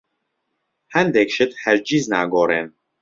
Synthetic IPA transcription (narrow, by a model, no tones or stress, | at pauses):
hænd̪ekʃət̪hæɾd͡ʒiznæɡɔːɾen